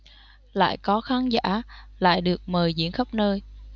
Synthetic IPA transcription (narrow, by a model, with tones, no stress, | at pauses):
la̰ː˧˨jkɔ˨˦xaː˨˦nza̰ː˧˥la̰ː˧˨jɗɨ˨˩ək̚məː˨˩jzḭ˧˥ənxə˦˥p̚nəː˧j